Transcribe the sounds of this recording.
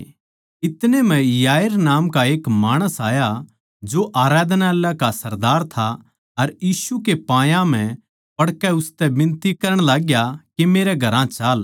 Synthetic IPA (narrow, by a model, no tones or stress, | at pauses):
ɪt̪nemɛ̃jaːjəɾnaːmkaeːkmaːɽ̃əsaːja | d͡ʒoʔaːɾaːd̪naɛlːakasɐɾd̪aːɾt̪ʰa | ɐɾjiːsukepãːjãm̤ɛ̃ | pɐɽkɛʊst̪ɛbɪ̃nt̪ikɐɾəɽ̃laːɡjakemeːɾɛɡʱɐɾãt͡ʃaːl